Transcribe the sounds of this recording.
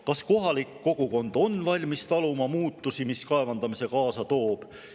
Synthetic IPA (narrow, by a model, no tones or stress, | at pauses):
kɑsko̞ɦɑlikːo̞ɡ̥uko̞nd̪̥o̞nvɑlʲmist̪ɑlumɑmuːt̪ːˑusimiskɑevɑnd̪̥ɑmise̞kɑːsɑt̪o̞ːb̥